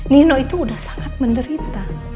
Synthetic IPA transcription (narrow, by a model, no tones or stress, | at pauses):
ninoit̪uːdahsḁŋat̪̚məndəɾit̪a